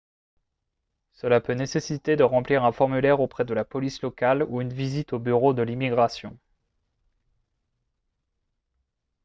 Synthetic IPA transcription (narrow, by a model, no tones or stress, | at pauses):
səlapønesesit̪ed̪əʁɑ̃pliʁɛ̃fɔʁmylɛʁopχɛd̪əlapɔlislɔkaluynvizit̪obyʁod̪əlimiɡʁasjɔ̃